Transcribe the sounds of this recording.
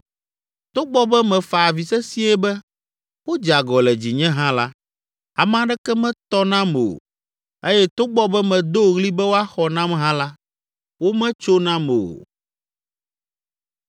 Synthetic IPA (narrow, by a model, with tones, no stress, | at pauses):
t̪o˦ɡ͡bɔ˦bɛ˦mɛ̃˨fa˨a˨vi˨sɛ˦si˦ɛ˦bɛ˦ | wo˦d͡ʒa˨ɡɔ˨lɛ˨d͡ʑi˨ɲɛ̃˦ɦã˦la˦ | a˨m˦ã˦ɖɛ˦kɛ˦mɛ̃˦t̪ɔ˦nã˦mo̰˨ | e˦jɛ˦t̪o˦ɡ͡bɔ˦bɛ˦mɛ̃˨d̪o˦˨ɣli˦bɛ˦wo˦a˦xɔ˨nã˦m˦ɦã˦la˦ | wo˦mɛ̃˦t͡ʃo˦nã˦mo˨o̰˨